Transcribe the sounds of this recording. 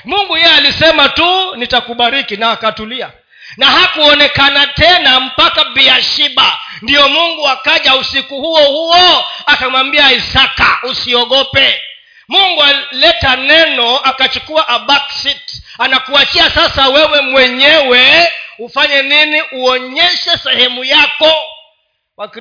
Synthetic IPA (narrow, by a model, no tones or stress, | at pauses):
muŋɡujɛjɛalisɛmatunitakuɓaɾikinaːkatulia | naɦakuɔnɛkanatɛnam̩pakaɓiaʃiɓandiɔmuŋɡuakaʄausikuhuɔhuɔakamwambiaisaka̰usiɔɠɔpɛ | muŋɡualɛtanɛnɔakat͡ʃukuaʔaɓaksit | anakuat͡ʃiasasawɛwɛmwɛɲɛwɛufaɲɛniniʔuɔɲɛʃɛsɛhɛmujakɔ | wak